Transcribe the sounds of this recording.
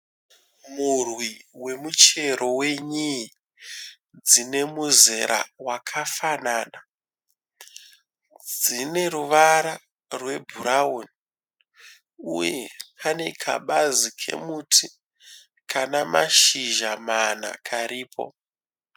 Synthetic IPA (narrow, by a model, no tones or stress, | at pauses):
murwiwe̞mut͡ʃe̞ɾʔo̞we̞ɲii | d͡zine̞muze̞ɾʔa̰wakʰafanaːna | d͡zine̞ɾuʋaɾa | rwe̞bʱuɾaon | uje̞̰pʰane̞kʰa̰ɓazikʰe̞̰mutʰi | kʰanamaʃiʒamana̰kʰaɾiːpʰo̞̰